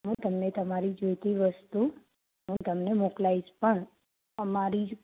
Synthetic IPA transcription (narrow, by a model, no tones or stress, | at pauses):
ɦũt̪əmnet̪əmaɾid͡ʒojt̪iʋəst̪u | ɦũt̪əmnemoklaispəɳ | əmaɾi